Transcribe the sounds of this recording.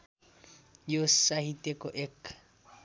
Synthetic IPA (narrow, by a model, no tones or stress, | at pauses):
josahitʼɛkʼɔʔɛkʰ